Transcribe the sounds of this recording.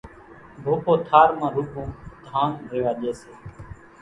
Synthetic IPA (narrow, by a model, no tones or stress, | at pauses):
bʱoːpoːt̪ʰaːɾmãːɾuːbũːd̪ʱaːnɾeːʋaːɗeːseː